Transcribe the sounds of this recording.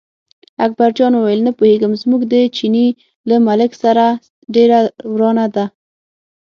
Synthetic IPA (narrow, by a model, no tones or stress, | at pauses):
ak̚baɾd͡ʒɑnwuwajəlnapoheɡəmzmuɡd̪ət͡ʃini | ləmalɪksaɾa | ɖeɾawɾɑnad̪a